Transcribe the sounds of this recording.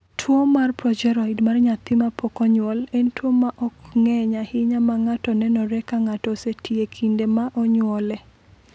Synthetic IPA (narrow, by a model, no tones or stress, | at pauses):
tʰwomːarpɾɔd͡ʒɛɾɔidmarɲat̪ɪmapɔkɔɲwɔlɛntwomːaʔɔkŋɛɲahɪɲamaŋatɔnɛnɔɾɛkaŋatɔsetʰiekʰindemaʔɔɲwɔlɛ